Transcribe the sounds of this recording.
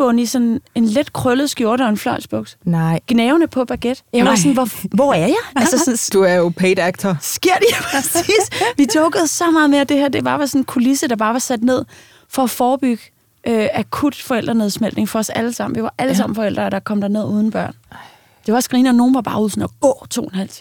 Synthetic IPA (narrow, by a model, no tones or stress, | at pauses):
b̥ɔ̽nisɒ̽ne̝nled̥kʰʁœləð̩ˠsɡ̥jo̝ɐ̰ɾ̥əɒ̽e̝nflɒ̽ɪsb̥ɔɡ̥̚d̥ɡ̥neːʊnəpʰɒ̽b̥æɡ̥ed̥ɑsɔnʋʋɒæɐjɑ̈ɪælsɐsɔnd̥uæɐjopʰeːd̥æɡ̥̚t͡sʰɐssɡ̥e̝ɐ̰d̥eæpʰɛsiːd̥ʋit͡sʰɔʊɡ̥əð̞̩ˠsɒ̽mɑ̈ːðˠme̝ːɐd̥e̝hæɐ̰d̥e̝bɑ̈ːʋɑ̈sɔ̽n̩kʰulisəd̥ɑ̈b̥ɑ̈ːʋɑ̈sæd̥ne̝ð̰ˠ | fɒ̽ːfɒːb̥yɡ̥ə | ʔøækʰud̥fɒ̽el̰d̥ʁɐne̝ð̞ˠsmel̰d̥ne̝ŋfɒ̽ɒ̽sæləsɑ̈m̰n̩ʋiʋɑ̈ʔæləs̬ɑ̈m̰n̩fɒ̽el̰d̥ʁɐːɾ̥ɑ̈kʰɒ̽m̰d̥æɐne̝ð̞̰ˠuːð̞ˠn̩b̥ɶɐ̰n | d̥e̝ʋɑsɡ̥ʁiːnəno̝ːn̩ʋɑ̈b̥ɑ̈ːuð̰ˠsn̩ɒɡ̥ɔ̰ːt͡sʰo̝̰ːenhæl̰t͡sʰi